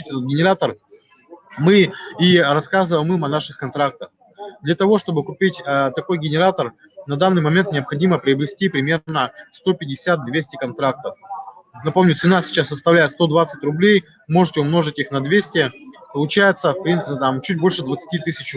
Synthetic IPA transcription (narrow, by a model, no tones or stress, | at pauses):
tʲɛt̪ət̪ɡʲɪnʲɪɾat̪ər | mɨirɐskazɨvəjmɨmɐnaʂɨxkɐnt̪ɾak̚t̪əx | d̪lʲɐt̪ɐvo̞ʂt̪o̞bɨkʊpʲitʲət̪ɐko̞jɡʲɪnʲɪɾat̪ər | nɐd̪anːɨjmɐmʲe̞nt̪nʲɪəpxɐdʲiməpɾʲɪɐbɾʲɪsʲtʲipɾʲɪmʲe̞rnəst̪o̞pʲɪdʲɪsʲat̪̚d̪vʲesʲtʲɪkɐnt̪ɾak̚t̪əfnɐpo̞mnʲʊt̪sɨnasʲɪ̥t͡ɕasːəst̪ɐvlʲæjɪt̪st̪o̞d̪vat̪sɨtʲrʊblʲej | mo̞ʐɨtʲɪʊmno̞ʐɨtʲixnɐd̪vʲesʲtʲɪpəlˠʊt͡ɕæjɪt̪səpɾʲint̪amt͡ɕut̚ʲbo̞lʲʂɨd̪vət̪sɨ̥tʲit̪ɨsʲɪt͡ɕ